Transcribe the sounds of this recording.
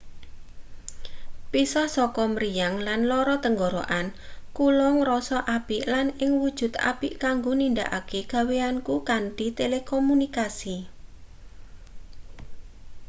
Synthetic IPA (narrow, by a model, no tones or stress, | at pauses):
pisɔhsɔkɔmɾijaŋlanlɔɾɔt̪əŋɡoɾoʔankulɔŋrɔsɔʔapiʔlanɪŋwud̥ʒ̥ṳt̪a̰piʔkaŋɡonind̪aʔa̰keɡ̥a̤weankukand̪̥i̤t̪elekɔmunikasi